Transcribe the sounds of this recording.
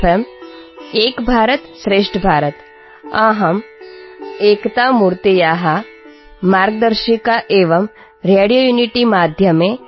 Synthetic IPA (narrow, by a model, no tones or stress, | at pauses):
em | eːkbʱaːɾət̪sɾeːʂʈʰbʱaːɾət̪ | ãɦɐm | eːkt̪amuɾt̪ejaːɦa | maːɾɡ̚d̪əɾʃikaʔeːʋəm | ɾeːɽijojuːniʈimaːd̪ʱjəmẽ